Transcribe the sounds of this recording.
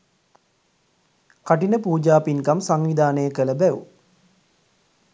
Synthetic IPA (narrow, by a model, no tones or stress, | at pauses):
kaʈinəpuːd͡ʒaːpiŋkamsaŋʋid̪aːnəjəkələbæʋṵ